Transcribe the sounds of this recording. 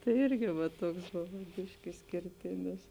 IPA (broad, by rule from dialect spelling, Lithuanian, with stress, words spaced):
tɐɪ ˈɪrʲɡʲɪ ʋɐ ˈtuɔks ˈboːʋoː ˈbʲɪʃʲkʲɪ ɪʃʲsʲkʲɪrʲˈtʲɪnʲɪs